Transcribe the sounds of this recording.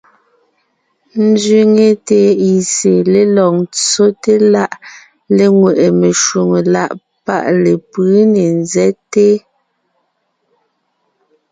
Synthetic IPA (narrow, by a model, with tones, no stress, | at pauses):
n̩˦zɥi˦ŋe˦te˦i˨se˨le˦lɔ˨ŋt͡so˦te˦la˦ʔ | le˦ŋwe˨ʔe˨me˨ʃwu˨ŋe˨la̰˦ʔ | pa̰˦˨ʔle˨pɯ˨˦ne˨nzɛ˦te˦